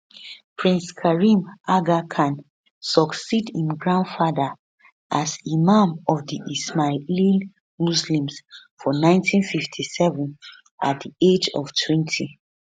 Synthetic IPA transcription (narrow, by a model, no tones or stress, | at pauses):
pʰɹĩnskʰaɹĩmʔaɡakʰãn | sɔksidĩmɡɹãndfadə | ʔazimãmɔfdiʔismalil | muslĩmsfɔnãɪ̃ntʰĩnfiftʰisɛvə̃n | ʔat̚died͡ʒɔ̰vtʰwɛ̃ntʰi